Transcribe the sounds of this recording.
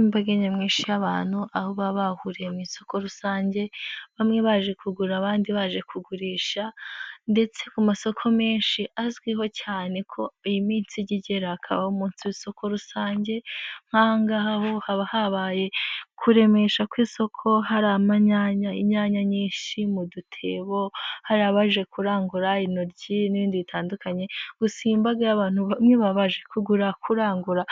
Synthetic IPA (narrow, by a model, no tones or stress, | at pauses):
baɡeɲemŋiːnʃijaβaːn̥huahoβaβahuɾe̞miso̞ko̞ɾusaːɲɟe̞βamŋe̞βaʒe̞kuɡuɾaβaːndiβaʒe̞kʰuɡuɾiːʃande̞t͡se̞kumaso̞kʰo̞meːnʃiʔazɡwiɦo̞caːne̞kʰo̞ijimiːnsiɟiɟeɾaːkʰa̰βahomuːnsiβiso̞kʰo̞ɾusaːɲɟe̞ŋ̥haːŋɡaɦaho̞haβahaβaje̞kʰuɾe̞me̞ʃakwiːso̞kʰo̞ɦaɾamaɲaɲaḭɲaɲaɲiːnʃimudutʰeβo̞haɾaβaʒe̞kuɾaːŋɡuɾainoɾɟiniβiːndiβitʰaːndukaɲe̞ɡ̥usiːmbaɡaaβaːn̥huβamŋe̞βaβaʒe̞kuɡuɾakʰuɾaːŋɡuɾa